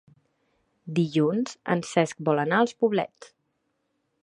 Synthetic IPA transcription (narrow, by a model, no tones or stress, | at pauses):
d̪iʎunz̥ə̰nsɛsk̚bɔlənaəlˠspuβlɛ̰t͡s